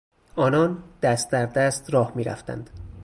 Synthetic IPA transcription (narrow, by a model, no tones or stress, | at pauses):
ʔɒːnɒːnd̪̥æst̪̚d̪æɾd̪æst̪ɾɒːhmiːɾæ̰ft̪æ̰nd̪̥